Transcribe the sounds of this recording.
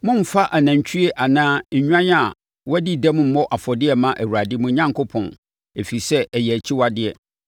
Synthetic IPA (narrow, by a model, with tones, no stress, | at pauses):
mʊ̃˦m̩˦fa˦ʔa˨næ̃˨ɲ˨t͡ɕʰᶣi˦e˦ʔa˨nãː˦ɲ̩˨ɲᶣ˦ã˦ɲ˦a˨ | wɔ˦di˦dɛ˦mʊ̃˦m̩˦mɔ˦ʔa˨fɔ˨dɪ˦ɛ˨mã˦ʔæ˨wu˨ɾa˨dɪ˦mũ˦ɲã˦ŋkʰo˦pʰɔ̰̃˨n | e˨fi˨sɛ˦ɛ˨jɛ˨æ˨t͡ɕʰi˦wa˨dɪ˦ɛ˨